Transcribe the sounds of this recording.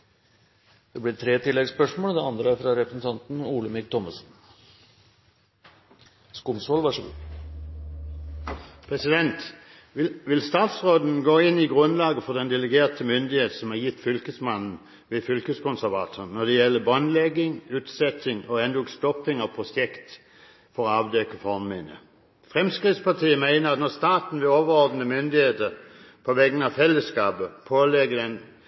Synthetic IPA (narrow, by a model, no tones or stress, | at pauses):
d̪̥ɛblɪt̪ʰɾeːt̪ʰɪlːɛɡspœʂmoːləd̪ɛɑnd̪ɾəæɾfɾɑɾɛpɾəsn̩t̪ʰɑnt̪n̩uːləmɪk̚t̪ʰɔməsn̩ | skʊmsɔlʋɑʂ | pʰʁɛsɪd̪ɛnt̪ | ʋɪlst̪ɑːt̪sʁoːd̪n̩ɡoːɪnːɪɡʁʉnlɑːɡəfɔd̪ɛnd̪ɛləɡeːʁt̪ʰəmʏnd̪ɪheːt̪sɔmæʁjɪt̪ːfʏlkəsmɑnn̩ | ʋɪfʏlkəskʊnsæɾʋɑ̰ːt̪ʰənnːɔd̪ɛjɛlːəbɔnlɛɡːɪŋʉːt̪sɛt̪ɪŋɔɛnd̪uːɡst̪ɔpːɪŋɑʋpʰʁʊsɛkt̪ | fɔʁɔɑʋd̪ɛkəfɔmmɪnə̰ | fʁɛmskʁɪt̪spɑt̪ʰiːəmæɪnəɑt̪nɔst̪ɑːt̪n̩ʋɪloːʋəɾɔɾd̪nəmʏnd̪ɪheːt̪ə | pʰɔʋɛɡːənɑʋfɛlːəskɑːpəpʰoːlɛɡəd̪ɛn